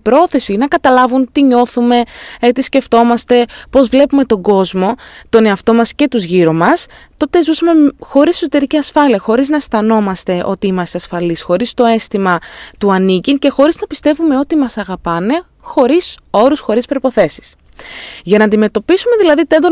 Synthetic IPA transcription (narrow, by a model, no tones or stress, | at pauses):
pɾo̞θe̞sinɐkɐt̪ɐlɐvunt̪iɲo̞θume̞et̪isce̞ft̪o̞mɐst̪e̞po̞zvle̞pume̞t̪o̞ɡo̞zmo̞t̪o̞ne̞ɐft̪o̞mɐsce̞t̪uzʝiɾo̞mɐst̪o̞t̪e̞zusɐme̞xo̞ɾissot̪e̞ɾiciɐsfɐliɐxo̞ɾiznɐst̪ɐno̞mɐst̪e̞ʔo̞t̪iimɐst̪eɐsfɐlisxo̞ɾist̪o̞e̞st̪imɐt̪uɐnicince̞xo̞ɾiznɐpi̥st̪e̞vume̞o̞t̪imɐsɐɣɐpɐne̞ | xo̞ɾiso̞ɾusxo̞ɾispɾo̞ipo̞θe̞si̥s | ʝɐnɐːnd̪ime̞t̪o̞pisume̞ðilɐðit̪end̪o